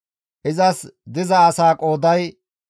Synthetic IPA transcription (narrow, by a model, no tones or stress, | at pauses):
ʔɪzɐsd̪ɪzɐːsaːkʼo̞ːd̪ɐj